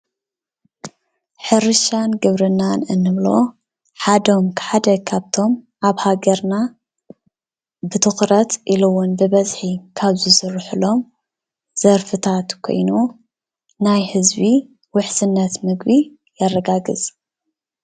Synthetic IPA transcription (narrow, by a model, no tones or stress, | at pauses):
ħɨɾɨʃanɡɨβɾɨnːanɨnːɨβlo̞ | ħad̪o̞mkʰħad̪ɐkʰaβt̪ʰo̞m | ʔaβhaɡɐɾna | bɨt̪ʰɨxɾɐt̪ʔilɨwʊnbɨβɐzħikʰaβzɨsɨrːɨħɨlo̞m | z̥ɐɾfɨt̪ʰat̪kʰo̞̰jnu | najhɨzbi | wʊħsɨnːɐt̪mɨɡbi | jɐrːɐɡaɡɨz